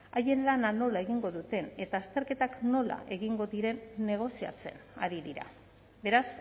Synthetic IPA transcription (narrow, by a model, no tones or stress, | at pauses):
aje̞nlanano̞lae̞ɣiŋɡo̞ðut̪e̞ne̞t̪aːst̪e̞ɾke̞t̪akno̞la̰ʔe̞ɣiŋɡo̞ðiɾe̞nːe̞ɣ̞o̞sia̰t͡se̞̰na̰ɾiðiɾa̰ | be̞ɾas